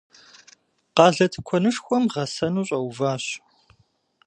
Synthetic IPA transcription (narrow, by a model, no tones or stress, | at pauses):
qɑːɮɐtʰɨ̥kʷʰɔnɨʂxʷɔmʁɐsɐnuːɕʼɐwvaːɕ